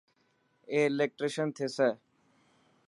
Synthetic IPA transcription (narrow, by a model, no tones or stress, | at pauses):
eːlek̚ʈɾeʃənt̪ʰeːsɛː